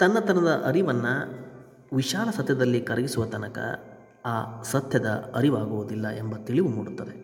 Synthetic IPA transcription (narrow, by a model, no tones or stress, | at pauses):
t̪ɐnːɐt̪ɐnɐd̪ɐʔɐɾiʋɐnːɐ | ʋiʃaːlɐsɐt̪ʰjɐd̪ɐlːikɐɾɐɡisuʋɐt̪ɐnɐkɐ̰ | aːsɐt̪jɐd̪ɐ̰ɐɾiʋaːɡuʋud̪ilːɐʔe̞mbɐt̪iɭiʋumuːɽut̪ːɐd̪e